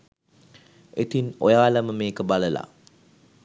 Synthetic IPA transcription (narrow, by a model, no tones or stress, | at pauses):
et̪inojaːləməmeːkəbaləla̰